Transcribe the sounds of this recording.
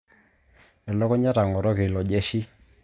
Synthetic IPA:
nɛ˨lɔ˦kɔ˦ɲa˦ɾa˨ŋɔ˨ɾɔ˦ke˨lɔ˨d͡ʒɛ˦ʃi˦

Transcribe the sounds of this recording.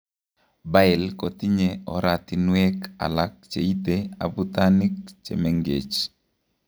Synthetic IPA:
ba˦ɪ˨lkɔ˨t̪i˦ɲeɔ˨ɾat̪i˨nwɛ˦ka̰˨lak̚t͡ʃḛ˨i˦t̪ea̰˨but̪anik̚t͡ʃḛmɛŋɡḛ˨t͡ʃ

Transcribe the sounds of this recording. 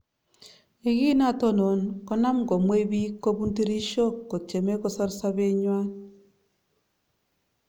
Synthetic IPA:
e˦ɣi˦na˦˨to˦no˨nkɔ˦na˦mɡo˨mwe˦bi˦kːo˦bu˦nti˦ɾi˦ʃo˦kːo˨t͡ʃe˨me˦kɔ˦sɔ˦ɾsa˦βe˦ɲwa˦n

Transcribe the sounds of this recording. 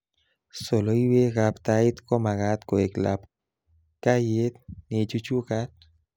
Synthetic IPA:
so˨lo˦i˦we˦ɣapt̪a˦i˦t̪kɔ˦ma˨ɣa˨˦t̪ko˨e˨kla̰p | ka˦je˦t̪ne˨t͡ʃu˦t͡ʃu˦ka˦t̪̚

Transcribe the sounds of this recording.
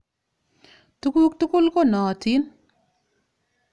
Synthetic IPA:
tu˦ku˦k̚tu˦kʊ˦lkɔ˦nɔ˨ti˦n

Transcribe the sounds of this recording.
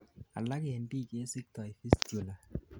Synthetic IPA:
a˨la˦kɪ˦˨ɛ˨n˦di˦˨ke˦sɪ˦k̚t̪ɔ˨i˨fi˦sd͡ʒo˨la˨

